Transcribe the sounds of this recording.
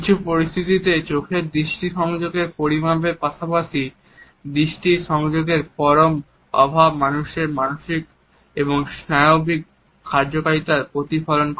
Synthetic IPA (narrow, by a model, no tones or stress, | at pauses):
kit͡ɕʰupoɾist̪ʰit̪it̪et͡ɕokʰeɾd̪ɾiʃʈiʃɔŋd͡ʑoɡeɾpoɾimabeɾpaʃapaʃi | d̪ɾiʃʈiʃɔŋd͡ʑoɡeɾpɔɾom | ɔ̰bʱabmanuʃeɾmanoʃik | eboŋsnaeobikʰː | aɾd͡ʑokaɾit̪aɾpɾot̪ifalonk